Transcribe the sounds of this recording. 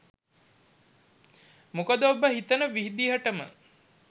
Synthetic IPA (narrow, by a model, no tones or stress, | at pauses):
mukəd̪əobəɦit̪ənəʋiɦid̪iɦəɐʈəmə̰